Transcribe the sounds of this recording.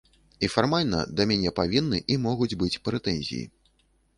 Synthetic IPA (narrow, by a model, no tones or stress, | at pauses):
ifarmalʲnɐ̰d̪ɐmʲanʲɛpavʲinːɨʔimɔɣud͡zʲbɨt͡sʲpɾɛt̪ɛnʲzʲḭjḭ